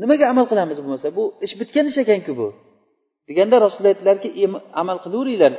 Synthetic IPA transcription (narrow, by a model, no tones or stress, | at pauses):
nɪmaɡʲaːmalˠqɨlˠamɪzbomasabʊɪʃbɪt̪kʲanɪʃakʲankʲʊbʊ | d̪̥eɡʲand̪aɾɒsɪlajt̪laɾkʲɪʔemamalˠqʰɨlˠuɾɪjlaɾ